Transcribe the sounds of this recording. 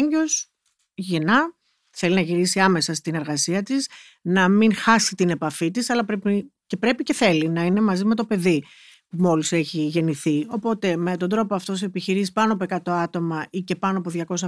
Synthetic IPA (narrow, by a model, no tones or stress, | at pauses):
ɲɟo̞s | ʝenɐ | θe̞linɐʝiɾisiɐme̞sɐst̪ine̞ɾɣɐsiɐt̪is | nɐminxɐsit̪ine̞pɐfit̪isɐlɐpɾepice̞pɾe̞pice̞θe̞linɐine̞mɐzime̞t̪o̞pe̞ði | pumo̞lise̞çiʝe̞niθio̞po̞t̪e̞me̞t̪ond̪ɾo̞poɐft̪o̞seepiçiɾisi̥pɐnoɐp̬oe̞kɐt̪o̞ɐt̪o̞mɐice̞pɐnoɐpo̞ðʝɐko̞s̬ɐ